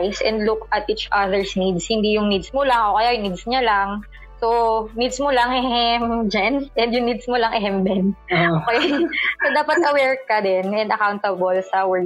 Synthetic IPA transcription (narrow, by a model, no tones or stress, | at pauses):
jsʔɛ̰̃nd̪lʊkɐt̪̚ʔit͡ʃʔaðɛɹsnid̪shɪnd̪ijʊŋnid̪smolaŋʔoːkɐjajʊŋnid̪sɲalaŋ | sonid̪smolɐŋɛhɛmd͡ʒɛnʔɛnd̪jʊŋnid̪smolɐŋʔɛɦɛmbɛnʔoːkɛjsod̪aːpɐt̪ʔɐwɛɹkɐd̪ɛnɛnd̪ɐkawnt̪ɐbolsɐwɛɹ